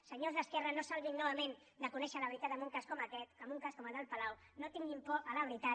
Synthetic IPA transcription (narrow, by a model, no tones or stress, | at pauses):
səɲozðəskɛrənosalβinːɔβ̞əmẽn | d̪əkunɛʃələβɾit̪at̪əmbuŋkaskɔməkɛt̪əmbuŋkaskɔməðalpalawnot̪iŋɡimpɔʔələβɾit̪a